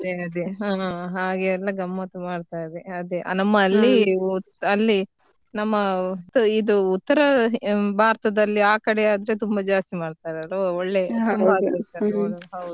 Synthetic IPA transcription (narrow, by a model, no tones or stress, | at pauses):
ɐd̪eɐd̪eaɦaːɡeːlːɐɡɐmːɐt̪ɐmaːɽt̪aːjdeɐd̪eʔɐ̰nɐmːɐːlːi | ɐlːi | nɐmːɐt̪id̪uut̪ːɐɾɐbʱaːɾt̪ɐd̪ɐlːiaːkɐɽeaːd̪ɾe̞t̪umbɐd͡ʒaːst̪imaːɖt̪aːɾɐɾooɭːe̞ɐaːd̪ɐɐt̪aːɦɐwd̪u